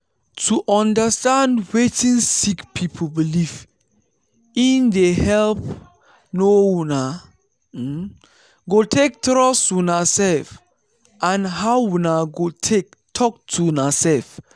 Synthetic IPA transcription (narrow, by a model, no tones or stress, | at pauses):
tʰuʔɔ̃ndəstãndwetĩnsikpʰipʰobiliv | ĩndehɛlp | nowuna | ɡotʰek̚tɹɔswunasɛlf | ʔãnɦawwunaɡotʰek̚ | tʰɔk̚tʰuwunasɛlf